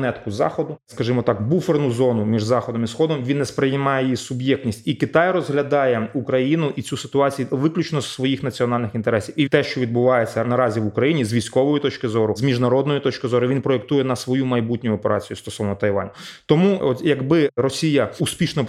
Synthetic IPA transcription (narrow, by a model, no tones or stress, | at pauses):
nɛt̪kʊzɑ̰xɔd̪ʊskɐʒɪmɔt̪ɑkbufernʊzɔnʊmʲiʒzɑxɔd̪ɔmisxɔd̪ɔmʋʲinːɛspɾɪjmɑjejisʊbjɛktʲnʲisʲtʲikɪt̪ɑjrɔzɦlʲɐd̪ɑjɛukɾɐjinʊʔit͡sʲusɪ̥t̪ʊɑt͡sʲijuʋɪklʲut͡ʃnɔssʋɔjixnɐt͡sʲiɔnɑlʲnɪxint̪eɾɛsʲiwit̪ɛʃt͡ʃɔʋʲid̪̚bʊʋɑjet͡sʲːɐnɐɾɑzʲiʋʊkɾɐjinʲizʋʲijsʲkɔʋɔjit̪ɔt͡ʃkɪzɔɾʊzmʲiʒnɐɾɔd̪nɔjʊt̪ɔt͡ʃkɪzɔɾʊʋʲinpɾɔek̚t̪ujɛnɐsʋɔjumɐjbutʲnʲʊjʊɔpeɾɑ̰t͡sʲijʊst̪ɔsɔʋnɔt̪ɐjʋɑ̰nʲt̪ɔmuɔt̪jɐɡbɪɾɔsʲijɐuspʲiʃnɔ